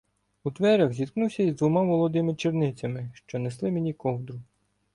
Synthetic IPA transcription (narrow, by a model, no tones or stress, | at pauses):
ut̪ʋɛɾʲɐxzʲid̪knuwsʲɐizd̪ʋʊmaʋɔlˠɔd̪ɪmɪt͡ʃirnɪt͡sʲɐmɪʃt͡ʃɔneslˠɪmenʲikɔwd̪ɾʊ